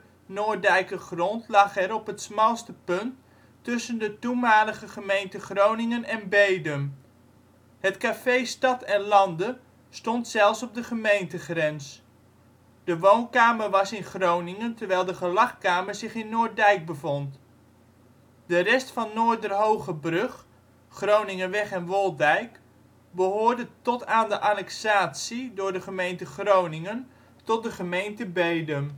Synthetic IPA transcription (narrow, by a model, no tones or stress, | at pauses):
nʊːɹdɛjkəχrɔntlɑχɛɾɔpɦətsmɛlˠstəpɵntː | ɵsəndətumaːləχəχəmejntəχrownɪŋənɛnbejdəm | hətkaːfejstɑtɛnlɑndə | stɔntsɛlˠfsɔp̚dəχəmejntəχrɛns | d̥əʋownkaːməɹʋɑsɪnχrownɪŋəntəɹʋɛjlˠdəχəlɑχkaːməɹzɪχɪnːʊːɹ̚dɛjk̚bəvɔnt | dərɛstfɑnːoːɹdərɦowχəbrøχ | χrownɪŋənʋɛχɛnʋolˠdɛjk | bəɦʊːɹdətɔtaːndəʔanɛksaːtsidʊːɹdəχəmejntəχrownɪŋən | tɔt̚dəχəmejntəbejdəm